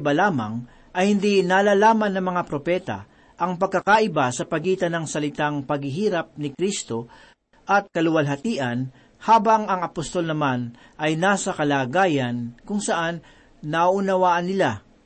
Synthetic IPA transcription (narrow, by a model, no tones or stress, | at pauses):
balaːmɐ̰ŋ | ʔɐjhɪnd̪inalaːlaːmɐnːɐŋmɐŋapɾopɛːt̪a̰ | ʔɐŋpɐɡ̚kːɐkaʔɪbasɐpɐɡiːt̪ɐnɐŋsɐlɪt̪aŋpɐɡhɪɦiːɾɐp̚nɪkɾist̪o̞ | ʔɐt̪̚kɐlʊwɐlɦɐt̪iːʔɐn | haːbɐŋɐŋɐpost̪o̞lnɐman | ʔɐjnaːsɐkɐlaːɡaːjɐnkʊŋsɐʔanː | ɐʔʊnɐwaːʔɐnːɪla